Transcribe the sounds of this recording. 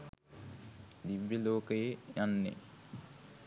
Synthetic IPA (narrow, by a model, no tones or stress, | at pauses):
d̪iʋːeloːkəjejanːḛ